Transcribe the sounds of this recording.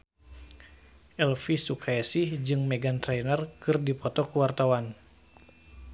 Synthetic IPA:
ʔɛlfisukʰaɛsihd͡ʒɨŋmɛɡant̪ɾɛnərkɨrdipɔt̪ɔkuwart̪awan

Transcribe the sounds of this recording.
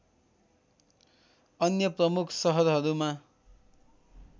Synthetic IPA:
ʌnjʌprʌmukʰsʌɦʌɾɦʌɾuma

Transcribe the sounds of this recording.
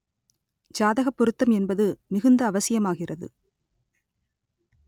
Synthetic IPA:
d͡ʒaːðɐɣɐpːɔɾɯt̪ːɐmɛnbɐðɯmɪɣɯnd̪ɐːʋɐsɪjɐmaːɣɪrɐðɯ̰

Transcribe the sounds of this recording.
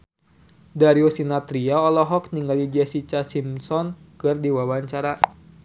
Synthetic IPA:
daɾiosinat̪ɾiaɔlɔɦɔkniŋɡalid͡ʒɛsit͡ʃasimsɔn | kɨrdiwawaɲt͡ʃaɾa

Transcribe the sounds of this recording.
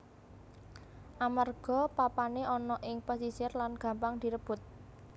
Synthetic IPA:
ʔamarɡ̥ɔ̤papaneʔɔnɔʔɪŋpɔsisɪrlanɡ̥ä̤mpaŋd̪̥i̤ɾəb̥ʊ̤t̪̚

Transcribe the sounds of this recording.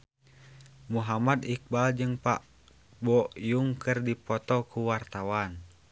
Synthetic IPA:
muɦamad̪ik̚bald͡ʒɨŋpa̰ʔ | bɔjuŋkɨrdipɔt̪ɔkuwart̪awan

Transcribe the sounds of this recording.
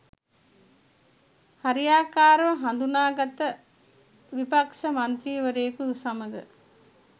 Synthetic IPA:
haɾijaːkaːɾəʋəɦand̪unaːɡat̪ə | ʋipakʃəmant̪ɾiːʋəɾejkuusɐməɡə

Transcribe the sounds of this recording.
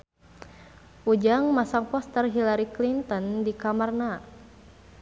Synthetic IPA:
ʔud͡ʒaŋmasaŋpɔst̪ərɦilaɾiklint̪ɔndikamarna

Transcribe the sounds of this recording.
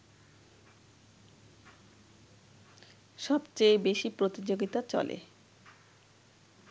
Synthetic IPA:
ʃɔbt͡ɕejbeʃipɾot̪id͡ʑoɡit̪at͡ɕɔ̰lḛ

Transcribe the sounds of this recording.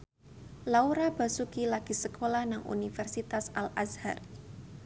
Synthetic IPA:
lauɾab̥a̤sukilaɡ̥i̤səkʰolahnaŋʔṵnifɛrsit̪asalʔasha̰r

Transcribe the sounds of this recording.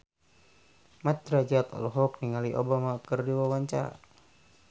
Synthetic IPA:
mat̪ɾad͡ʒat̪a̰lɔɦɔk̚niŋaliʔo̰bamakərdiwawaɲt͡ʃa̰

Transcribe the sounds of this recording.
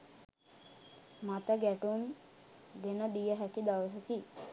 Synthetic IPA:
mat̪əɡæʈum | d̪enəd̪ijəɦæk̪id̪aʋəs̬əki

